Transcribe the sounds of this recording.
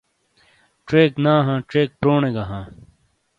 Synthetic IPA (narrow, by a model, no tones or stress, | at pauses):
ʈɾeːknãːɦãːʈeːk̚pɾoːnẽːɡaːɦãː